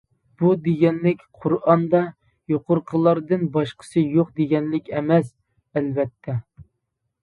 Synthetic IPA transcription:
b̥ud̪eɡʲɛnlɪkʲqʰʊɾɑnd̪ɑ | joqʊɾqʰəlˠɑɾd̪ɨnbɑʃqʰə̥sɨjoqd̪eɡʲɛnlɪkʲɛmɛs | ɛlvɛt̪ʰːɛ

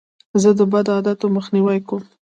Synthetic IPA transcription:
zəd̪əbad̪ɑd̪at̪oməxniwajkom

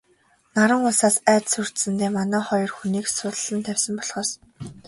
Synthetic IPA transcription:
naɾə̆ŋʊsaːsæːt̪sɵr̥t̪sɘ̆nt̪eːmanæːχɔjɞ̆rxuniːksʊt̪̆ɮɘ̆nt̪ʰæwʲsə̆mpɔɮχɔːs

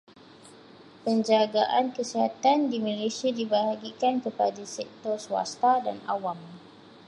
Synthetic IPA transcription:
pəɲd͡ʒaɡaʔankəsiɦat̪andimalesiadibəɦaɡikankəpadasɛk̚t̪ɔrswa̰st̪ada̰na̰wam

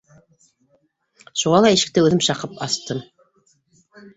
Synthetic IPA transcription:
ʃuʁɑlˠɑiʃɘ̆k̚t̪ɘʉðɘmʃɑqɤpɑst̪ɤm

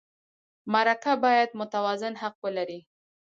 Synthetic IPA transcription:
maɾakabɑjad̪mʊt̪awɑzɪnhaq̚wəlaɾi

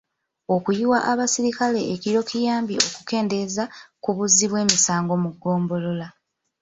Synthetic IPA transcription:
o̞kujiwaʔaβasiɾikale̞ːkiɾo̞kijaːmbio̞ku̥ke̞ːnde̞zakuβuzːiβwe̞ːmisaːŋɡo̞muɡːo̞ːmbo̞lo̞la

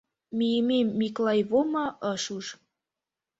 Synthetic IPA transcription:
mijəmemːiklɑjβomɑʔəʃuʃ

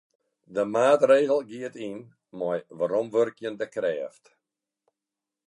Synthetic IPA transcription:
dəmaːtreːɣəlˠɡiətin | mɔjʋaɾɔmʋørkjəndəkrɛːft

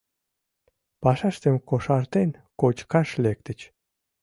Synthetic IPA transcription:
pɑʃɑʃt̪əmkoʃɑrt̪enkot͡ɕkɑʃlek̚t̪ə̆t͡ɕ

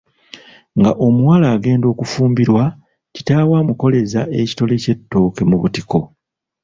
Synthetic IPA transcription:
ŋɡaʔo̞muwalaːɡe̞ːndo̞ːkufuːmbiɾwa | ci̥taːwaːmuko̞le̞zaʔe̞ci̥to̞le̞ce̞tːo̞ːke̞muβṵtiko̞

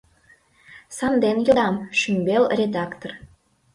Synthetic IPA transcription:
sɑnd̪enjod̪ɑmʃymbelrʲed̪ɑkt̪or

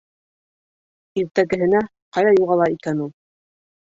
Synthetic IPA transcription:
iɾt̪æɡɘ̆ɦɘ̆næ | qɑjðɑjuʁɑlˠɑikænulˠ

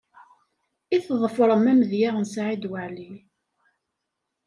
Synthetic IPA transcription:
iθðˤəfɾˤəmæmðjaʁnsʕid̪waʕli

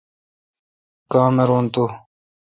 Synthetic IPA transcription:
kaːmeɾont̪u

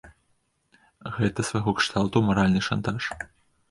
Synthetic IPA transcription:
ɣɛt̪ɐsvaɣɔkʂt̪alˠt̪umɐɾalʲnɨʂant̪aʂ

